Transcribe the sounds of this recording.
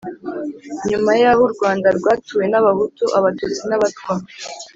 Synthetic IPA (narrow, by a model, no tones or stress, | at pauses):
ɲumajaːβuɾɡwaːndaɾɡwaːtuje̞naβaɦutuʔaβatuːt͡sinaβatkwaː